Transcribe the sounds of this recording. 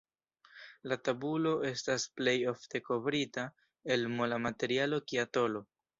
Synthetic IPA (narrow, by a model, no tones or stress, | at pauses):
latabulo̞ʔe̞stasple̞jo̞fte̞ko̞vɾita | e̞lmo̞lamate̞ɾialo̞kiato̞lo̞